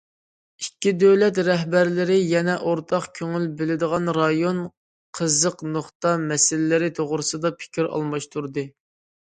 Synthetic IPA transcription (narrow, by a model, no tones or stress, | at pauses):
ikʲːid̪øwlɛt̪ɾɛɦbæɾlɪɾɪjɛnɛʔoɾt̪ʰɑqkʲʰøŋylbɪlɪd̪əʁɑnɾɑjon | qʰəzəqnoχt̪ɑmɛsɪlɪːɪɾɪt̪ʰoʁɾɨsɨd̪ɑpʰɪ̥kʲʰiɾɑ̰lˠmɑʃt̪ʰuɾd̪ɨ